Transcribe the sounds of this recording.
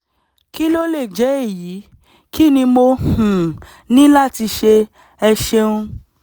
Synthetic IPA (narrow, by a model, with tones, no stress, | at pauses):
ki˦lo˦le˦˨d͡ʒɛ˨˦e˦˨ji˨˦ | ki˦˨nĩ˧mo˧hũ˨ | nĩ˦la˦˨ti˧ʃe˧ | ɛ˧ʃe˧ũ˧